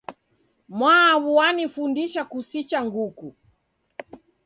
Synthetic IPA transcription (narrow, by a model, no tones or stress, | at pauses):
mwaːβuwanifundiʃakusit͡ʃaŋɡuku